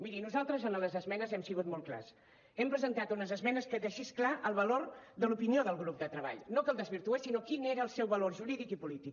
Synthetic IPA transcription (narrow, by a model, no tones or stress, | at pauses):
miɾinuzalˠt̪ɾəzənələzəzmɛnəzɛmsiɣ̞ut̪molt̪kla̰s | ɛmpɾəzənt̪at̪unəzəzmɛnəskəd̪əʃisklaʔəlˠβəloɾd̪əlupinioðəlˠɣɾup̚d̪ət̪ɾəβa̰ʎnokəlˠd̪əzβiɾt̪uesinokineɾəːlˠsɛwβəloɾʒuɾiðikipulit̪ik